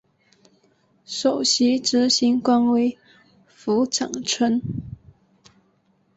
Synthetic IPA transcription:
ʂo˨˩ʊɕi˧˥ʈ͡ʂɻ̩˧˥ɕi˧˥ŋkwa˥nwe˧˥ɪ | fu˧˥ʈ͡ʂɑ̰˨˩ŋʈ͡ʂʰwə˥n

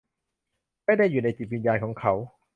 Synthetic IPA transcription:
ma˥˩jdaː˥˩jːuː˨˩na˧jt͡ɕi˨˩wi˧njaː˧nkʰɔː˩˦ŋkʰa˦˥w

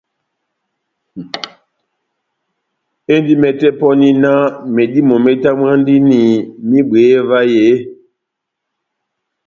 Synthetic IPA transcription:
e˦ndi˦mɛ˨tɛ˦pɔ˦ni˦na˦me˨di˦mɔ˨mɛ˦ta˦m˦ã˦n˦di˦ni˨mĩ˦ɓeː˨˦va˦je˨˦

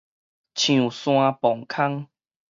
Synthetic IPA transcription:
t͡ɕʰj̃ũ˨sw̃ã˧pɔ˨˩ŋkʰa˦ŋ

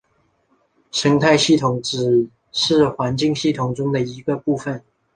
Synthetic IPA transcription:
ʂə˧˥ŋt̪ʰa˥˧ɪɕi˥˩t̪ʰʊ˨˩ŋʈ͡ʂɻ̩˨˩ | ʂɻ̩˥˩xwa˧˥nt͡ɕi˥˧ŋɕi˥˩t̪ʰʊ˨˩ŋʈ͡ʂʊ˥ŋd̪ə˨i˧˥ɡə˧pu˥˩fə˨˩n

